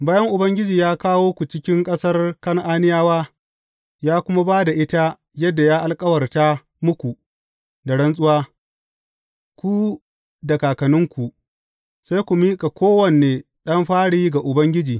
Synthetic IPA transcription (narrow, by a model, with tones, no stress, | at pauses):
baː˦jɐ˦ŋʔʊ˨bɐ˦ŋɡʲɪ˦d͡ʒiː˨jaː˦kaː˦woː˦kʷu˨t͡ʃɪ˦kʲɪ˦ŋkʼɐ˦sɐ˦rkɐ˦ŋʔaː˦nɪ˦jaː˦waː˦ | jaː˦kʷʊ˦ma˦baː˦da˨ʔɪ˦ta˦ | jɐ˦dːa˨jaː˦ʔa˨lkʼɐ˦wɐ˨rta˦ | mʊ˦kʷu˨ | da˨ɽɐ˦nsʼʊ˦waː˦ | kʷu˦ | da˨kaː˨kɐ˨nʊ˦ŋkʷu˨ | sa˦jkʷu˨miː˦kʼa˨kʷoː˦wɐ˨nːeː˨ | ɗɐ˦mɸaː˦ɽiː˦ɡa˨ʔʊ˨bɐ˦ŋɡʲɪ˦d͡ʒiː˨